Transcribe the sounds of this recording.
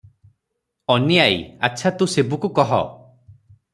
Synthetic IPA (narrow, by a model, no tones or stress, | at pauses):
ɔniaj̰at͡ʃʰat̪usebukukɔɦɔ̰